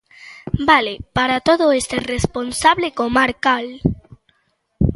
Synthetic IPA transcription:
balepaɾat̪oðoest̪eresponsaβlekomaɾkal

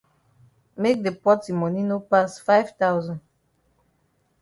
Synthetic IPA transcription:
mek̚depɔtimɔninopasfaɪv̥tawzɔ̃nd

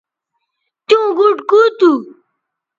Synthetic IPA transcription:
t̪jõɡuʈkut̪u

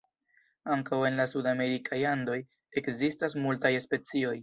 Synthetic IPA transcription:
aŋkawe̞nlasudame̞ɾikʰajando̞j | e̞kzistas̬multajspe̞t͡sio̞j

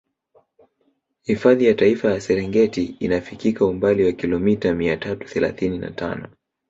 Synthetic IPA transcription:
hifaðijataifajasɛɾɛŋɡɛtiinafikikaumbaliwakilɔmitamiatatu̥θɛla̰θinina̰ta̰nɔ

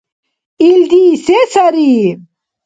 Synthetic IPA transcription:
ild̪iːsesɐɾi

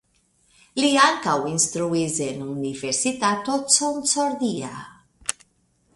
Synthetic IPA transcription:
liaŋkawinst̪ɾuizenuniveɾsit̪at̪ːot̪sonsɔɾd̪ia̰

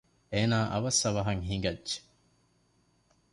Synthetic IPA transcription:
eːnaːʔɐʋɐsːɐʋɐɦɐŋɦiŋɡɐdʒe̥

